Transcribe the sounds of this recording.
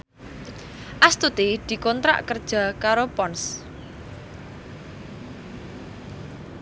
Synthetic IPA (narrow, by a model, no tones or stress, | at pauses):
ʔast̪ut̪id̪̥i̤kɔnt̪ɾa̰ʔkərd̥ʒ̥a̤kaɾopɔns